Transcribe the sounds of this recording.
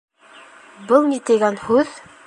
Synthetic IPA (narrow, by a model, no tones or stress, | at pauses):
bɤlˠnit̪ɘ̆ɡænhʉð